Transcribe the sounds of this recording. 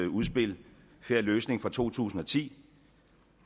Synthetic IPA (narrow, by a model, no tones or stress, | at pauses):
uðˠsb̥e̝l | feɐ̰løːsne̝ŋfʁɒt͡sʰo̝̰ːt͡sʰṵːsn̩ɒ̽t͡sʰḭː